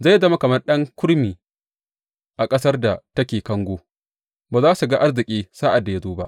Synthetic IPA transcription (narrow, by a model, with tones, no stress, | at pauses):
za˦˨jːzɐ˦ma˦kɐ˨mɐ˦rɗɐ˦ŋkʷʊ˦ɽmiː˨ | ʔa˨kʼɐ˦sɐ˦rda˨tɐ˦kʲeː˨kɐ˦ŋɡʷoː˦ | baː˨zaː˦su˨ɡa˦ʔa˦rzɪ˨kʲʼiː˦saː˦ʔa˨da˨ja˦zoː˦ba˦ʔ